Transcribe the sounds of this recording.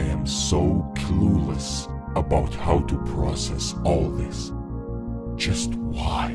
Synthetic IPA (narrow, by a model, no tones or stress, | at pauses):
ɨ̃msoʊkʰluləs | əbaʊt̚haʊtʰɨpʰɹ̥ɑsɛsɔlˠðɪs | d̥ʒ̥ʌst̚waɪ